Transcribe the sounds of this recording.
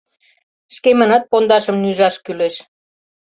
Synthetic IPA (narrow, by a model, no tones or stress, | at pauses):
ʃkemə̆nɑt̪̚pond̪ɑʃə̆mnyʒɑʃkyleʃ